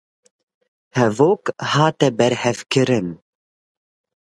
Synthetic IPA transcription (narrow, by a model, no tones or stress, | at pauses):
hɛvoːkhɑːt̪ɛbɛɾhɛfkɨɾɨn